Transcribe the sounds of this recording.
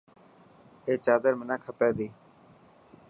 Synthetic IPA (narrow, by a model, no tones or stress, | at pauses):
eːt͡ʃaːd̪əɾmɪnãːkʰəpeːd̪iː